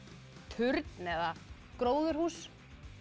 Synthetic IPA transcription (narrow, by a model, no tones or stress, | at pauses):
t̪ʰʏɾt̪nɛða | kɾoːwðʏɾ̥huːs